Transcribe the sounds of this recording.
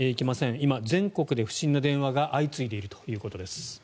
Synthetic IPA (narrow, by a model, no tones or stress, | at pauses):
eikʲemasẽ̞ɰimad͡zẽ̞ŋko̞kɯ̟d̪e̞ɸɯ̟̥ɕĩnːad̪ẽ̞ɰ̃βaɡaʔait͡sɨid̪e̞iɾɯ̟t̪ojɯ̟ːko̞t̪o̞d̪e̞sɨ̥